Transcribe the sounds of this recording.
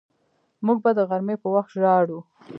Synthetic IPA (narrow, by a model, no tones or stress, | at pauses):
muɡ̚bad̪əɣaɾmepəwaxt̪ʒɑɽu